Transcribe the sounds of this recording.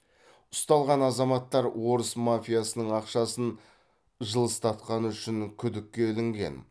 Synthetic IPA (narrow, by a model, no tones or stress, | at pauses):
ʊ̥st̪ɑlˠʁɑnɑzɑmɑt̪ːɑɾwo̞ɾəsmafʲijasənəɴɑqʃɑsən | ʒəlˠəst̪ɑt̪̚qɑnʏʃɪŋkʲʰʏd̪ɪkʲːe̞lɪŋɡʲe̞̰n